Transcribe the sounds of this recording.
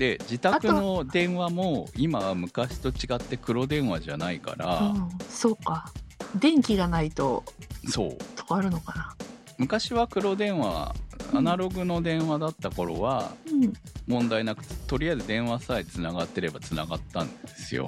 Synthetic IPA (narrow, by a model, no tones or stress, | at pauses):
d̪e̞d͡ʑit̪akɯno̞d̪ẽ̞ɰ̃βamo̞imaβamɯ̟kaɕi̥t̪o̞t͡ɕiɡat̪ːe̞kɯ̟ɾo̞d̪ẽ̞ɰ̃βaʑanaika̰ɾaso̞ːkad̪ẽ̞ŋkʲiɡanait̪o̞so̞̰ːt̪ʰo̥aɾɯ̟no̞kana | mɯ̟kaɕiβakɯ̟ɾo̞d̪ẽ̞ɰ̃βaa̰a̰naɾo̞ɡɯ̟no̞d̪ẽ̞ɰ̃βad̪at̪ːako̞ɾo̞̰βa̰ɯ̃mõ̞nd̪ainakɯ̟̥t̪t̪o̞ɾʲijaezɨd̪ẽ̞ɰ̃βasaet͡sɨnaɡat̪ːe̞ɾe̞bat͡sɨna̰ɡat̪ːã̰nd̪e̞sɨjo̰